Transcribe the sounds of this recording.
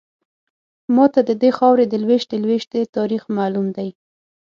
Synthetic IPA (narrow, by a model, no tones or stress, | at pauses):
mɑt̪ad̪əd̪exɑwɾed̪əlweʃd̪əlweʃt̪et̪ɑɾixmalumd̪aj